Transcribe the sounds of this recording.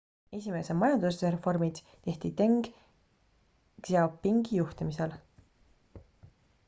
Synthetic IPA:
e̞sʲime̞semɑjɑnd̪̥useɾefo̞rmid̪̥ | t̪e̞ht̪it̪e̞ŋɡ̥ | ɡ̥sɑpːiŋɡ̥ijuht̪imisel

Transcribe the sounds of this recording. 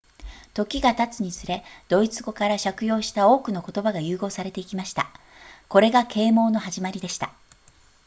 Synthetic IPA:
t̪o̞kʲiɡat̪at͡sɨɲ̟isɨɾe̞d̪̥o̞it͡sɨɡo̞kaɾaɕakɯ̟jo̞ːɕi̥t̪ao̞ːkɯno̞ko̞t̪o̞baɡajɯ̟ːɡo̞ːsaɾe̞t̪e̞ikʲimaɕi̥t̪a | ko̞ɾe̞ɡakʰe̞ːmo̞ːno̞ɦaʑimaɾʲid̪e̞ɕi̥t̪a

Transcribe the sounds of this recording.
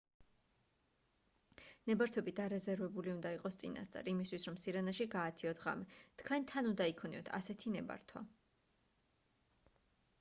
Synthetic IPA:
nɛbaɾt̪ʰwɛbid̪aɾɛzɛɾvɛbuliund̪aiqʼɔst̪sʼḭna̰st̪sʼa̰ɾːmist̪wisɾɔmsiɾanaʃiɡaːt̪ʰiɔt̪ʰʁa̰mɛt̪ʰkʰwɛnt̪ʰanund̪aikʰɔniɔ̰t̪ʰa̰sɛt̪ʰinɛba̰ɾt̪ʰwa̰

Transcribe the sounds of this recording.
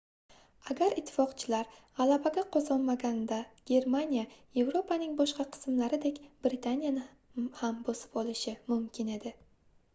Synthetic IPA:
aɡʲaɾɪt̪ʰːɪ̥fɒqt͡ʃʰɪlaɾʁalabaɡʲaqʰɒzɒnmaɡʲand̪aɡ̥ʲe̞ɾmanʲijaje̞vɾo̞pʰanɪŋbɒʃqɑqʰɨ̥smlaɾɪd̪e̞kʲb̥ɾɪt̪ʰanjanɪ | hambosɪ̥pɒlˠɪʃɪmʊmkʲʰɪne̞d̪ɪ

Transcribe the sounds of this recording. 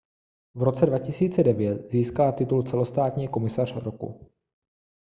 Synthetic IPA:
vɾo̞t͡sɛdvacɪsiːt͡sɛdɛvjɛt̪ziːskalat̪ɪt̪ult͡sɛlo̞st̪aːt̪ɲiːko̞mɪsar̝̥ɾokṵ

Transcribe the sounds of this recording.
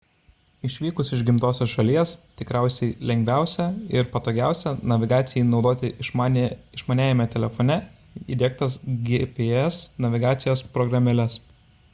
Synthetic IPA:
ɪʃʲʋʲiːkʊsɪʒɡʲɪmt̪oːsʲoːsʃɐlʲiɛst̪ʲɪkɾʲæˑʊsʲɛɪlʲɛŋʲɡʲʋʲæˑʊsʲɛɪɾpɐt̪oːɡʲæˑʊsʲɛnɐʋʲɪɡɑːt̪sʲɪjiːnɒʊd̪oːt̪ʲɪʃʲɪʃmɐnʲæːjɛmʲɛt̪ʲɛlʲɛfɔnʲɛ | ḭːd̪ʲiɛkt̪ɐsɡʲepʲeɛsnɐʋʲɪɡɑːt̪sʲɪjoːspɾɔɡɾɐmʲɛlʲɛs

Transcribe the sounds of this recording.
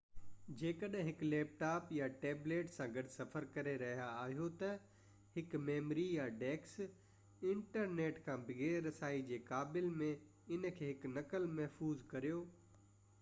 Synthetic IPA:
d͡ʑeːkəɗɦɪ̃ɦɪkleːp̚ʈaːpjaʈeːbleːʈsãɡɐɖsɐfəɾkɐɾeɾɐɦijaaːɦijot̪ɐ | hɪkmeːmɾijaɖeːks | ɪ̃ɳʈəɾneːʈkʰãːbɪɡeɾɐsaːid͡ʑeːkaːbɪlmẽ | ɪnkʰeːɦɪknɐkəlmɐɦfuːzkɐɾijoː

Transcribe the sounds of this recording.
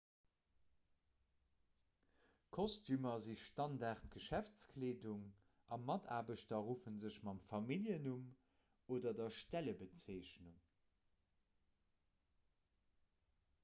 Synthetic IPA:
kʰɔstʰymɐziʃtɑndaːʁtɡəʃæft͡skʰleːduŋ | ɑmɑtʰa̰ːbəʃtɐʁuːfənzəɕmɑmfɑmiljənum | oːdɐdɐʃtæləbət͡seɪɕnuŋ

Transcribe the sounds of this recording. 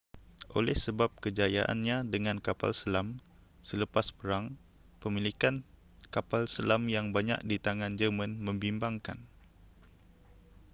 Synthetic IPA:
ʔo̰lɛhsəbap̚kəd͡ʒajaʔa̰nɲãdəŋãnkapa̰lsəlam | sələpaspəɾaŋ | pəmilikan | kapalsəlamjaŋbaɲa̰k̚dit̪aŋãnd͡ʒəmãnmə̃mbimbaŋka̰n

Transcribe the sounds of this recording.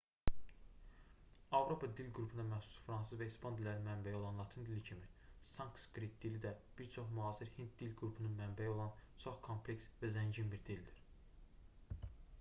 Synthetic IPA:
ɑvɾo̞pʰɑd̪ilɡɾupʰund̪ɑmæxsu̥sfɾɑns̬ɯzvæispɑnd̪ilʲˠæɾinmæmbæjio̞lˠɑnlˠɑt̪ʰind̪ilicʰimisɑŋkskɾit̪̚d̪ilid̪æb̥iɾt͡ʃʰo̞χmuɑːsiɾhint̪̚d̪ilɡɾupʰununmæmbæjio̞lˠɑnt͡ʃʰo̞χkʰompʰleksvæzæɲɟinbiɾd̪ild̪iɾ

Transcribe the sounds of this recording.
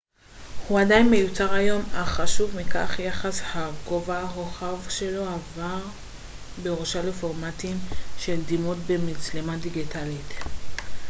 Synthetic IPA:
huadajnme̞jut͡saʁajo̞maχaʃuvmika̰χjaχashaɡovaɦoχavʃe̞lo̞avaʁ | be̞ʁoʃalefo̞ʁmatimʃe̞ld̪imotbemit͡slemadiɡitalit

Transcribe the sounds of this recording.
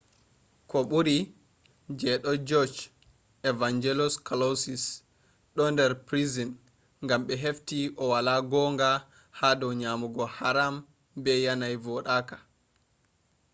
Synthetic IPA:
kɔɓuɾi | d͡ʒɛɗɔd͡ʒɔd͡ʒ | ɛvaɲd͡ʒɛlɔskalasis | ɗɔndɛɾpɾizin | ŋɡamɓɛɦeftiʔɔwalaɡɔːŋɡa | hadɔwɲamuɡɔhaɾam | bɛjanajvɔɗaːkḁ

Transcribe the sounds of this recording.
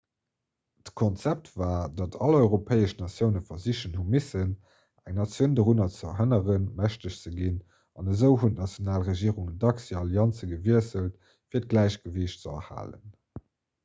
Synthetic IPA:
təkʰɔnt͡sæp̚tvaːdɑtʰɑlɔʏʁopʰɛɪəʃnɑsjəʊnəfɐziɕənhumisən | æ̰ŋnɑt͡sjəndəʀunɐt͡səɐ̰ɦənəʁənmæɕtəɕt͡səɡin | ɑnəzəʊɦuntnɑt͡sjonaːlʁəʒiːəʁuŋədɑksiɑljɑnt͡səɡəviəsəlt | fiːɐt̚ɡ̥læɪɕɡ̥əveɕtt͡səɐ̰ha̰ːlə̰n

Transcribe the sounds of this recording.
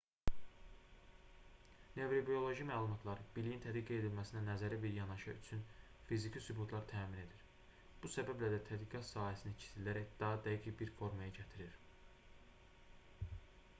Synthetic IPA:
ne̞vɾobio̞lˠo̞ʒimæːlˠumɑt̪ʰlˠɑɾb̥ilijint̪ʰæd̪ɡiɡed̪ilmæsinænæzæɾæbiɾjɑnɑʃɑyt͡ʃʰyn | fizicʰisybut̪ʰlˠɑɾt̪ʰæːmine̞d̪iɾ | b̥usæbæblæd̪æt̪ʰæd̪ɡiɡɑt̪sɑːhæsinicʰi̥silæɾæcd̪̥ɑɦɑd̪æjikʰibiɾfo̞ɾmɑjɑɟæt̪ʰiɾiɾ

